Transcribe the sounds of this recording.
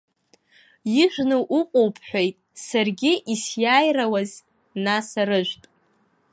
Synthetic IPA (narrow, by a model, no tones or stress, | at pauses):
iʒʷnɨʔuqʷʼowpʰħʷᶣejtʼsarɡʲɪʔisjaːjrawaz | nasaɾɨʒʷᶣtʼ